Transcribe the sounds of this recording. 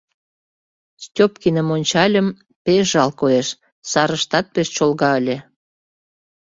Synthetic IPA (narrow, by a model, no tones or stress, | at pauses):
stʲopkinə̆monʲt͡ɕɑlʲəm | peʒɑlkoeʃ | sɑɾəʃt̪ɑt̪̚peʃt͡ɕolɣɑəlʲĕ